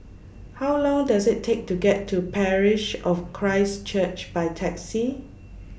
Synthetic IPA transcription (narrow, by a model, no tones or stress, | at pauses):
hawlɔ̃ŋdasɪtʰːek̚tuɡɛtʰːupʰɛɹɪʃɔfkʰɹaɪst͡ʃət͡ʃb̥aɪtʰɛksi